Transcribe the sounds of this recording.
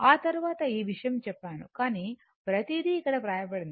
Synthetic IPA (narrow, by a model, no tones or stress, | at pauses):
aːt̪ɐɾuʋaːt̪ɐiːʋiʂɐjɐmt͡ʃɛpːaːnṵkaːni | pɾɐt̪id̪iːkːɐɽɐpɾaːjɐpɐɽind̪i